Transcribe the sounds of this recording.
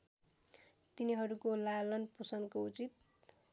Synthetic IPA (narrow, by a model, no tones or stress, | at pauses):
t̪iniɦʌɾukolalʌnpusʌnkout͡sit̪̚